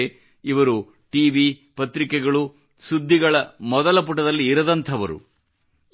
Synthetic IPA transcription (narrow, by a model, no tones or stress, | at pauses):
iʋɐɾu | ʈiːʋipɐt̪ɾikɛɡɐɭu | sud̪ʱːiɡɐɭɐmɔd̪ɐlɐp̬uʈɐd̪ɐlːiːɾɐd̪ɐnt̪ʰɐʋɐɾṵ